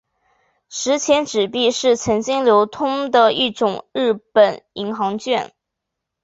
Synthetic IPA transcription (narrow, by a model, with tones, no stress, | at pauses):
ʂɻ̩˧˥t͡ɕʰjɛ˧˥nʈ͡ʂɻ̩˨˩pi˥˧ʂɻ̩˥˩t͡sʰɤ˧˥ŋt͡ɕi˥ŋljo˧˥ʊt̪ʰʊ˥ŋd̪ə˨i˥˩ʈ͡ʂʊ˨˩ŋɻɻ̩˥˩pə˨˩ni˧˥ŋxɑ˧˥ŋt͡ɕɥɛ˥˩n